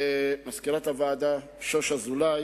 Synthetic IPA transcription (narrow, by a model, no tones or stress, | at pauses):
maskilat̪avaːd̪a | ʃoʃazulaj